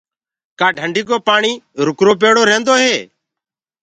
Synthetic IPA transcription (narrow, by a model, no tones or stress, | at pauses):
kaːɖʱəɳɖiːk̬oːpaːɳiːɾʊkɾoːpeːɽoːɾẽːnd̪oːɦeː